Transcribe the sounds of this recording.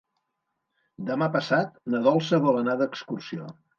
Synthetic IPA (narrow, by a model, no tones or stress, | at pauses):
d̪əmapəsat̪̚nəðɔlˠsəβələnaðəːkskursio̰